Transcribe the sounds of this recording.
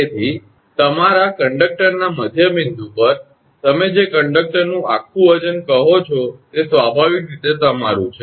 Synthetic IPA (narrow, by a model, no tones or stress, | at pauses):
et̪ʰi | t̪əmaɾakəɳɖək̚ʈəɾnaməd̪ʱjəmind̪upəɾ | t̪əmed͡ʒekəɳɖək̚ʈəɾnũakʰːũʋəd͡ʒənkəɦot͡ʃʰɔt̪esʋabʱaʋikɾit̪et̪əmaɾṵ̃t͡ʃʰe